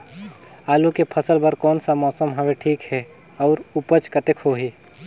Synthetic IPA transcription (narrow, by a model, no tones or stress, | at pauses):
aːlokepʰəsəlbəɾkɔːnsamɔːsəmɦɐʋeʈʰiːkɦɛ | ɔːɾupət͡ʃkət̪ekʰoːɦiː